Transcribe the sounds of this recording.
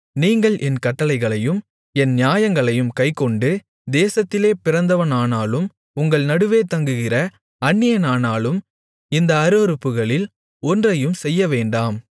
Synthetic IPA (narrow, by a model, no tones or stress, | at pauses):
niːŋɡɐɭʔɛnkɐʈːɐlɐɪɣɐɭɐjɯm | ɛnnjaːjɐŋɡɐɭɐjɯmkɐɪkːɔɳɖɯ | d̪eːsɐt̪ːɪleːpɪrɐnd̪ɐʋɐnaːnaːlɯm | ʊŋɡɐɭnɐɽɯʋeːt̪ɐŋɡɯɣɪrɐ | ɐnːɪjɐnaːnaːlɯm | ɪnd̪ɐːɾɯʋɐɾɯpːɯɣɐɭɪl | ɔndrɐjɯmsɛjːɐʋeːɳɖaːm